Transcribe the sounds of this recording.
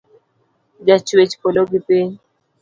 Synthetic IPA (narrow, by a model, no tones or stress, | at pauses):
d͡ʒat͡ʃwet͡ʃi̥kɔloɡipeɲ